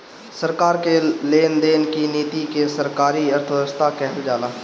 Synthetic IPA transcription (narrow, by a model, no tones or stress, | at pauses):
səɾkaːɾkeleːnd̪eːnkiniːt̪ikesəɾkaːɾiəɾt̪ʰɾəst̪akɛɦəld͡ʒaːlaː